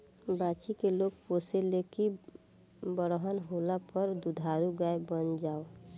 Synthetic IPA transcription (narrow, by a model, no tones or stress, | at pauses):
bat͡ʃikeloɡ̚poseleki | bəɽɦənɦolapəɾd̪ud̪ʱaɾuɡaebənd͡ʒao